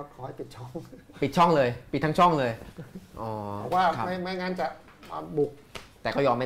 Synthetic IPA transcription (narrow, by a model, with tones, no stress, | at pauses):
kʰɔː˧˦ha˥˩jpi˨˩t̪̚t͡ɕʰɔ˥˩ŋpi˨˩t̪̚t͡ɕʰɔ˥˩ŋlɤː˧jpi˨˩t̪̚ːʰa˦˥t͡ɕʰɔ˥˩ŋlɤː˧jʔɔː˨˩ɛ˨˧˩k̚waː˥˩kʰa˦ma˥˩jma˥˩jŋaː˧nt͡ɕa˨˩ʔ | a˧bu˨˩k̚t̪ɛː˨˩kɔː˥˩jɔː˧mːa˥˩